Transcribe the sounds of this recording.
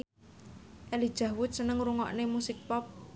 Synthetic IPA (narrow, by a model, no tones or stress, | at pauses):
ʔelid̥ʒ̥ä̤wʊt̪̚sənəŋɾuŋɔ̰ʔnemusɪk̚pɔp̚